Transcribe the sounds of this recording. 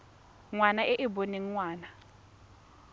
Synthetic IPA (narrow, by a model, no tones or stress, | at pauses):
ŋwanaʔɪʔɪboneŋ̩ŋwaːna